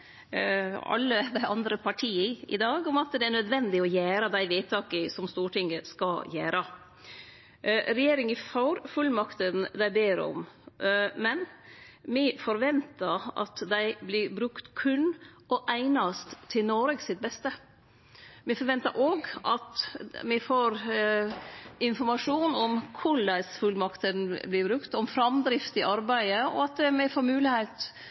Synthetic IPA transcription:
ɑ̰lːəd̪ɛʔɑnd̪ɾəpʰɑʈʰiːəɪ̰d̪ɑːɡʊmɑt̪d̪ɛæɳœd̪ʋɛnd̪ɪɔjæːɾɑd̪æɪʋeɪt̪ʰːɑːkəsɔmst̪uːʈɪŋːəskɑjæːɾɑ | ɾɛjeːɾɪŋəfɑʊɾfʉlːmɑkt̪ənd̪æɪbeːɾɔ̰m | mɛnmɪfɔɾʋɛnt̪ɑɑ̰t̪d̪æɪblɪɾbɾʉkt̪kʰʉnː | ɔʔæɪnɑst̪ʰːɪlnoːɾəɡsɪt̪̚bɛst̪ə | mɪfɔɾʋɛnt̪əɾʔoːɡʔɑt̪mɪfoːɾ | ɪnfɔɾmɑʂuːnɔmkʰʊɭæɪsfʉlmɑkt̪ənblɪbɾʉkt̪ɔmfɾɑmd̪ɾɪft̪ɪʔɑɾbæɪəɔ̰ɑt̪mɪfoːɾmʉːlɪheɪt̪

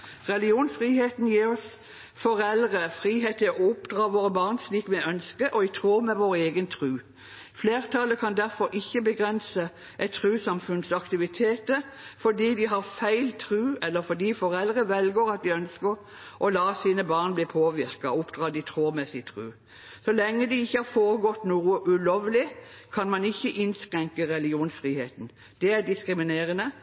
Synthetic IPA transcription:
ʁɛlɪuːnsfʁiːheːt̪n̩jiːɾɔs | fɔɾɛlʁəfʁiːɦeːt̪əɔʊpd̪ʁɑːʋoːʁəbɑːʁnsliːkmɛœnskəʔɔɪt̪ʰʁuːmɛʋoːɾeːɡənt̪ʰʁʉː | fleːʁt̪ʰɑləkʰɑnd̪æʁfɔɾʔɪçːəbəɡʁɛnsə | ʔɛt̪ʰːʁʉːsɑmfʉnsɑkt̪ɪʋɪt̪ʰeːt̪ə | fɔd̪iːd̪ɪɦɑʁfæɪlt̪ʰʁʉːɛlːəɾfɔd̪iːfɔɾɛld̪ʁəʋɛlɡoːɾɑt̪̚d̪ɪœnskəɾ | ʔɔlɑːsiːnəbɑːʁnbliːpʰoːʋɪʁkɑʊpd̪̥ʁɑːd̪ɪt̪ʰʁoːmɛsɪt̪ʰʁʉ̰ː | sɔlɛŋːəd̪ɪɪçːəhɑʁfoːʁəɡɔt̪ːnuːəʔʉloːʋlɪkʰɑnmɑnɪçːəʔɪnskʁɛŋkəʁɛlɪɡɪuːnsfʁiːheːt̪n̩ | d̪̥ɛæd̪ɪskɾɪmɪneːʁənə

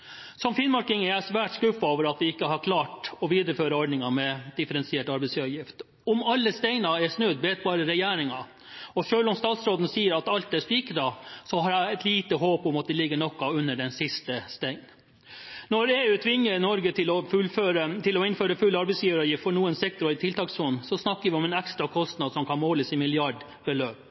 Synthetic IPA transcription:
sɔmfɪnmɑɾkɪŋæɾæsʋæːʈskʉfɑoːʋəɾɑt̪̚d̪ɛɪkːəɦɑɾkʰlɑːʈɔʋiːd̪əɾəføːɾəɔɖɳɪŋɑmɛd̪ɪfəɾɛnsɪeːʈɑɾbɛɪsɑʋjɪft̪ | ɔmɑlːəst̪æɪnɑɛʂnʉd̪beːt̪̚bɑːɾəɾɛjæːɾɪŋɑ | ɔʂøːlɔmst̪ɑːt̪sɾoːd̪n̩siːəɾɑt̪ɑlt̪æʂpiːkəd̪ɑsɔɦɑɾæɪɛt̪liːt̪əɦoːpɔmɑt̪̚d̪ɛlɪɡːəɳɔkːɑʉnːəɖɛnsɪst̪əst̪æɪn | nɔɾeːʉːt̪ʰʋɪŋːəɾnɔɾɡət̪ʰɪlɔfʉføːɾət̪ʰɪlɔɪnføːɾəfʉlːɑɾbɛɪsjiːʋəɾɑjɪft̪fɔɳuːənsɛk̚t̪ɔɾɔɪt̪ʰɪlt̪ʰɑːksfɔnsɔsnɑkːəɾʋɪɔmɛnɛkst̪ɾɑkʰɔst̪nɑd̪sɔmkʰɑnmoːləsɪmɪlɪɑɖ | bəløːp

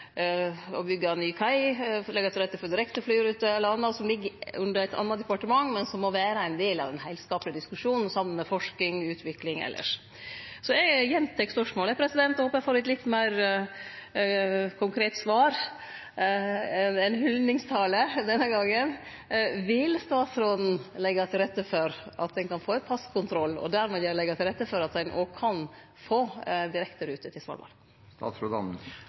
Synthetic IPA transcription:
ɔbʏɡːɑnyːkʰæɪlɛɡɑt̪ʰɾɛt̪ːəfɔd̪ɪɾɛkt̪əflyːɾʉːt̪əɛlːəɾɑnːɑsɔmlɪɡːəʉnd̪əɾæɪt̪ʰɑ̰nːɑt̪d̪ɛpɑʈəmɑŋːmɛnsɔmːɔʋæːɾəæɪnd̪eːlɑ̰ʋd̪ɛnɦæɪlskɑːplɪəd̪ɪskʉʂuːnn̩sɑmːəmɛfɔʂkɪŋʉːt̪ʰʋɪklɪŋɛ̰lːə̰ʂ | sɔɛɡjɛnt̪ʰɛkspœʂmoːlɛpʰɾɛsɪd̪ɛnt̪ɛhoːpːɑjɛfoːɾɛt̪lɪt̪ːmæɪɾ | kʰʊŋkʰɾeːt̪sʋɑːɾ | ɛnɛnhʏlnɪŋst̪ʰɑːləd̪ɛnːəɡɑŋːən | ʋɪlst̪ɑːt̪sɾoːd̪n̩lɛɡːɑt̪ʰɪlɾɛt̪ːəfɔɾʔɑt̪̚d̪ɛnkɑnfoːɛt̪pʰɑskʰʊnt̪ʰɾɔlːɔ̰d̪æɾmɛːjɛlɛɡɑt̪ʰɪlɾɛt̪ːəfɔɾɑt̪d̪ɛnʔo̰ːkʰɑn | foːd̪ɪɾɛkt̪əɾʉːt̪ət̪ʰɪlsʋɑ̰ɾʋɑ̰ːl | t̪ɑ̰sɾod̪

